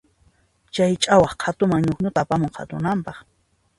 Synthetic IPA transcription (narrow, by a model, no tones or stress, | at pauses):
t͡ʃajt͡ʃʼawɑχqʰat̪ʊmaŋɲʊχɲʊt̪aːpamoɴqʰa̰t̪ʊnampɑχ